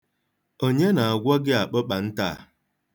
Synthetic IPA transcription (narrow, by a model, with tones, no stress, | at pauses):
o˦ɲe˦na˨a˨ɡʷɔ˦ɡɪ˦a˨k͡pə˦k͡pa˨n̩˦ta˦˨